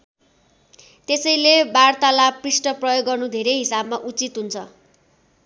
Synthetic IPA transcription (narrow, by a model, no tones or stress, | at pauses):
t̪esʌjlebart̪alaprisʈʌprʌjoɡːʌrnud̪ʱeɾejɦisabmaʔut͡sit̪ɦunt͡sʰʌ